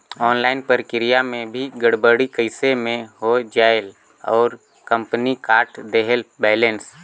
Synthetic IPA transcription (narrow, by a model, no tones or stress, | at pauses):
ɔːnlaːɪnpəɾkɪɾijamẽbʱiɡəɽbəɽikəɪsemẽɦod͡ʒaːjɪl | ɔ̰ːɾ | kə̃mpənikaːɾʈd̪eɦəlbɛːlẽns